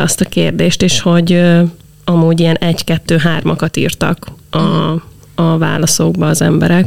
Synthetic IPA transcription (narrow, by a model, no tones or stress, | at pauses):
ɒst̪ɒkeːrd̪eːʃt̪eːʃho̞ɟø | ɒmuːɟiɛnɛɟkɛt̪ːøːɦaːrmʔɒkɒt̪ḭːrt̪ɒ̰kɒ | ɒva̰ːlɒsoɡ̚bɒːzɛmbɛɾɛk